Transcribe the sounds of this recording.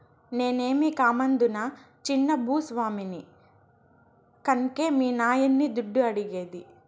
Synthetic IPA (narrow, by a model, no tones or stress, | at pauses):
ne̞ːne̞ːmikaːmɐnd̪unɐ | t͡ʃinːɐbʱuːsʋaːmini | kɐnke̞ːmiːnaːjɐnːid̪uɖːuɐɽiɡeːd̪i